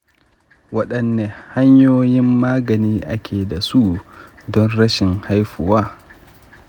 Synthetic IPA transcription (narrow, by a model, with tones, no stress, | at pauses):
wɐ˦ɗɐ˨nːeː˨ha˦ɲjoː˦jɪ˦mːaː˦ɡɐ˨niː˦ʔa˦kʲʰeː˨da˨su˦ʔdɔ˦nɽɐ˦ʃɪ˨ŋha˦jɸʊ˨waː˦